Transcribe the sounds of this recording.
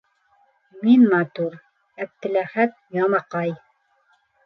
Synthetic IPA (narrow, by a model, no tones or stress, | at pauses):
minmɑt̪uɾ | æb̚t̪ɘ̆læχæt̪̚jɑmɑqɑj